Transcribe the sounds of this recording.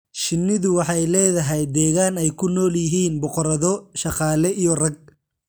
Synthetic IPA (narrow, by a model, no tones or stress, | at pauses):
ʃɪnːɪðʊwɑħɑjlɛːðɐɦɛjd̪ɛːɣaːnɛjkʰʊnɔːljɪɦiːnbɔqɔɾɐðɔʃɑqɑːlɛʔijɔrɐɡ̚